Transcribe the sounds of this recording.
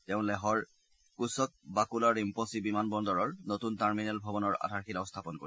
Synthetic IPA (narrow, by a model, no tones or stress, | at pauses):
tɛʊ̃lɛɦɔɹ | kusɔk̚bakulaɹimpɔsibimanbɔndɔɹɔɹnotuntaɹminɛlbʱɔbɔnɔɹa̰dʱaɹxilaʊ̃stʰapɔnkoi